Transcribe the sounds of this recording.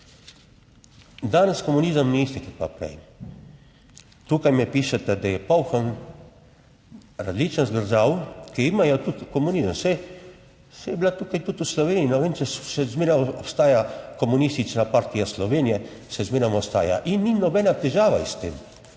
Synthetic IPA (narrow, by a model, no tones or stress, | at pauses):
d̪aːnəskomuniːzəmniist̪ik̪ak̚papɾɛ̰j | t̪uːkajmɛpiːʃɛt̪ɛd̪ajɛpawxan | ɾazlit͡ʃnənzɡəɾʒawkiimajɔt̪ut̪kɔmunizəmsɛ | sɛjɛblat̪uːkajt̪ut̪uslɔʋeːniinɔʋent͡ʃɛʃɛzmeːɾamɔpst̪aːjakɔmunist̪it͡ʃnapaɾt̪ijaslɔʋeːnijɛ | sɛzmeːɾamɔst̪a̰ːja̰ʔinːinɔbɛːnat̪ɛʒaːʋaist̪ḛːm